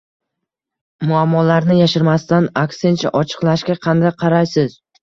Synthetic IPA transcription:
mʊamːɒlaɾnɪjaʃɪɾmast̪anakse̞nt͡ʃʰa̰ʔɒt͡ʃʰɨ̥qlˠaʃkʲaqʰɑnd̪ajqʰɑɾajsɪz̥

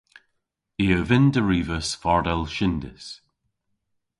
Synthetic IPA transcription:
iːəvɪnd̪əɹiːvəsfɔɹdɛlˠʃɪnd̪ɪ̰s

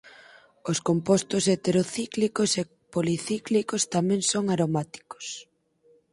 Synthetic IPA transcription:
oskompost̪oset̪eɾoθiklikose | poliθiklikost̪amɛ̃ŋsoŋaɾomat̪i̥ko̥s

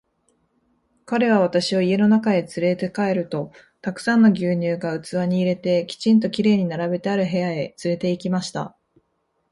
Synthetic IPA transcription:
kaɾe̞β̞aβ̞at̪aɕiβoie̞no̞nakae̞t͡sɨɾe̞t̪e̞kae̞ɾɯ̟t̪o̞ | t̪akɯ̥sãnːo̞ɡʲɨːɲ̟ɨːɡaɯ̟t͡sɨβaɲ̟iːɾe̞t̪e̞kʲi̥t͡ɕĩnt̪̬o̞kʲiɾe̞ːɲ̟inaɾabe̞t̪e̞aɾɯ̟ɦe̞jae̞t͡sɨɾe̞t̪e̞ikʲimaɕi̥t̪a̰

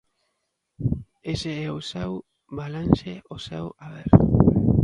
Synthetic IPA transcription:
eseeosew | βalanʃeʔosḛwaβeɾ

